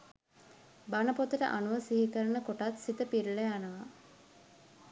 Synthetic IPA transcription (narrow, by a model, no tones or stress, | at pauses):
banəpot̪əʈə̰ʔanuʋəsiɦikəɾənəkoʈat̪sit̪əpiɾlejanəʋa